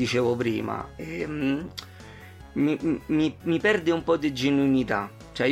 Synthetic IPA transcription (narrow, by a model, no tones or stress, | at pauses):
it͡ʃɛːvopɾḭːma̰ɛm | mimimipɛrd̪eumpɔd̪ed͡ʒenuinit̪a | t͡ʃɛ